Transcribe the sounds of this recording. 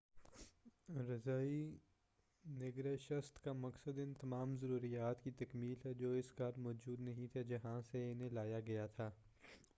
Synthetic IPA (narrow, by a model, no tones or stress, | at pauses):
ɾɐzaːi | nɪɡɾeʃɐst̪kamɐksəd̪ɪ̃nt̪ɐmaːmzɐɾuːɾijaːt̪kit̪ɐkmiːlɦɛd͡ʒoːɪskaːɾmɔːd͡ʒuːd̪nɐɦĩt̪ʰed͡ʒɐɦãseɪnɦẽlaːjaɡɐjat̪ʰaː